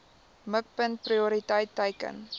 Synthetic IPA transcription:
mək̚pənt̚priuɾitəjtːəjkə̰n

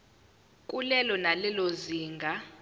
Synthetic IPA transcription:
kʼulɛlɔnalɛloziːŋɡʱa

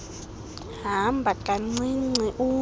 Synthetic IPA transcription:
hambakʼaŋ͡ǀĩŋ͡ǀĩʔu

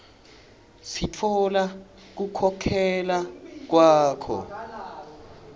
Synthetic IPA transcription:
sitʰɔla | k̬ukʰɔkʰɛlak̬waːkʰɔ̰

